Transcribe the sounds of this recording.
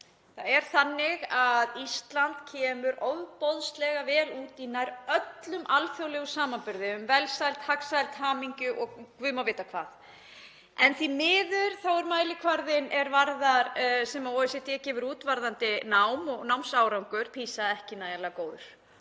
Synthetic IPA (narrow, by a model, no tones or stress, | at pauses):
θaðɛɾ̥θanːɪɣaðist̪lant̪cʰɛːmʏɾowðpɔðslɛɣavɛːluːt̪inajɾœt̪lʏmʔalfjowlɛɣʏsaːmanpʏɾðɪʏmvɛlsajlt̪haksajlt̪ɦaːmiɲcʏʔɔɣkvʏːmawvɪːt̪akʰv̥aːθ | ɛnθimɪːðʏɾ̥θawɛɾmaːjlɪkʰvaɾðɪnɛɾvaɾðaɾsɛmaɔːɛsɛt̪ɛːcɛːvʏɾuːt̪vaɾðant̪ɪnawmɔɣnawmsawɾawŋkʏɾ̥pʰiːsaðɛhcɪnaːjalakoːwðʏɾ̥